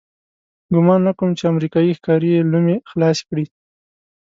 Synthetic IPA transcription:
ɡʊmɑnːakumt͡ʃeamɾikɑjixkɑɾijelumexlɑskɽi

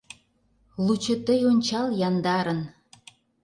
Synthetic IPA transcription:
lut͡ɕɤ̆t̪əjonʲt͡ɕɑljɑnd̪ɑɾən

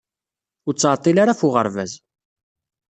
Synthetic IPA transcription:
ʊɾt͡sːʕt̪ˤːilaɾafʊʁə̰ɾvæ̰z

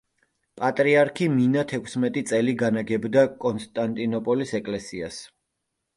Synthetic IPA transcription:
pʼat̪ʼɾiaɾkʰiminat̪ʰɛkʰsmɛt̪ʼit̪sʼɛliɡanaɡɛbd̪akʼɔnst̪ʼant̪ʼinɔpʼɔlisɛkʼlɛsias

